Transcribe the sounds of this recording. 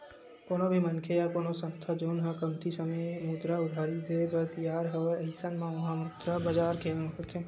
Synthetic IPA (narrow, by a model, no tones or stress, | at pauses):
koːnobʱimɐnkʰejakoːnosə̃nst̪ʰad͡ʒoːnɦãkɐmt̪ʰisəməjmuːd̪ɾaʊd̪ʱaːɾid̪ebət̪jaːɾɦɐʋeɐɦɪsanmãʋɐɦãmuːt̪ɾabɐd͡ʒaːɾkʰeãnkət̪ʰẽː